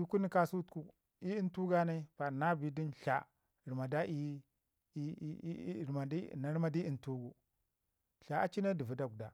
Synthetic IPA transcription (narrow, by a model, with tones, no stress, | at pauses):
i˦ku˦ni˦ka˦su˦tku˦ | i˦i˦ntu˦ɡa˦na˦i˦pa˨na˦bi˨di˦nɬa̰˨ | ɾi˨ma˨da˦i˦˨ | ma˨di˦na˨ɾma˦di˦i˨ntu˦ɡu˨ | ɬa˨a˦t͡ʃi˦na˦di˨vu˨da˨ɡda˨